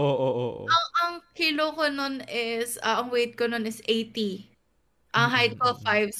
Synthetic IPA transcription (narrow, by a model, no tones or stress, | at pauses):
ʔoːʔoʔo̰ʔo̰ɐŋʔɐŋkɪlokononɪsʔɐʔɐŋwejt̪̚kononɪsejt̪i | ʔɐŋɦajt̪̚kolfajvs